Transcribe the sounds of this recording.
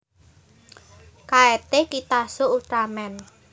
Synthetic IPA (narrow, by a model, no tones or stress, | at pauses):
kaet̪ekit̪asout̪ɾamɛn